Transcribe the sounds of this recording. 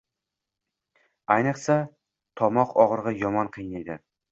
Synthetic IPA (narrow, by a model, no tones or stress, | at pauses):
ajnɨqsa | t̪ʰɒmɒqɒʁɾʁɑjɒmɒnqʰɨjnajd̪ɪ